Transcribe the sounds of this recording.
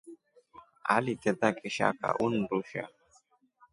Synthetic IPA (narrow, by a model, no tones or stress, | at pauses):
a̰lit̪ɛt̪akʼɛʃa̰ka̰ʔun̩duʃa̰